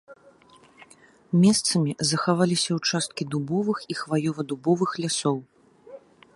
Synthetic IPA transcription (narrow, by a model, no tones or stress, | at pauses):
mʲɛst̪sɐmʲizɐxavalʲisʲɐwt͡ʂast̪kʲid̪ubɔvɨxixvajɔvɐd̪ubɔvɨxlʲasɔw